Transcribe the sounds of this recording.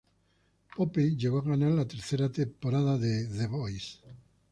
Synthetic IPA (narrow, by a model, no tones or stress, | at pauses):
popeʎeɣoaɣanaɾlat̪eɾθeɾat̪empoɾaðaðeðeβojs